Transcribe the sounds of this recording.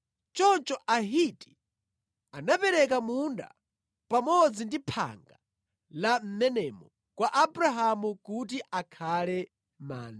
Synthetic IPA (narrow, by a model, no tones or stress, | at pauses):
t͡ʃɔt͡ʃɔʔaɦiti̥ | anapɛɾɛk̬amunda̰ | pamɔd͡zindipʰa̰ŋɡa | lam̩mɛnɛmɔ | kwaʔabuɾaɦamukut̬iʔakʰalɛ | ma̰ːna